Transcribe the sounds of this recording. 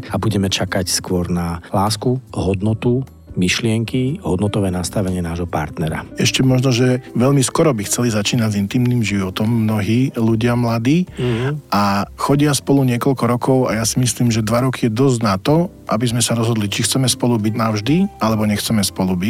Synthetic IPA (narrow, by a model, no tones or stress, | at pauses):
abuɟɛmɛt͡ʃakacskʊɔɾnalaːskuɦɔd̪nɔt̪u | miʃlɪɛŋkiɦɔ̰d̪nɔt̪ɔʋɛːnast̪aʋɛɲɪɛnaːʒɦɔpa̰ɾt̪nɛɾa̰ɛʃcɛmɔʒnɔʒɛʋɛʎmiskɔɾɔbixt͡sɛlizat͡ʃiːnaɟzint̪iːmniːmʒiʋɔt̪ɔmːnɔɦiːluɟɪamlad̪iːʔaxɔɟɪaspɔluɲɪɛkɔʎkɔɾɔkʰɔʊajasimisliːmʒɛd̪ʋaɾɔkʰijɛd̪ɔzɟnat̪ɔ | ʔabizmɛsaɾɔzɦɔd̪lit͡ʃixt͡sɛmɛspɔlubiɟnaʊʒd̪ialɛbɔɲɛxt͡sɛmɛspɔlubi